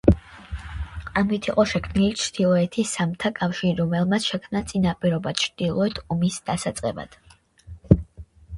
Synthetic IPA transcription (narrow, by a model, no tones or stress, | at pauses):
amit̪ʰiqʼɔʃɛkʰmnilit͡ʃʰd̪̥ilˠɔɛt̪ʰisamt̪ʰakʼafʃiɾiɾɔmɛlˠmat̪sʰʃɛkʰmnat̪sʼinapʼiɾɔbat͡ʃʰɾd̪̥ilˠɔɛt̪ʰɔmisd̪̥asat̪sʼqʼɛ̰ba̰d̪̥